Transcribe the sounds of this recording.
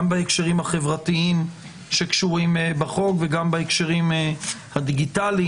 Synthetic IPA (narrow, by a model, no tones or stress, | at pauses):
mbaekʃeʁimhaχe̞vʁatiim | ʃekʃuʁimebaχo̞kveɡambaekʃeʁimhad̪iɡitali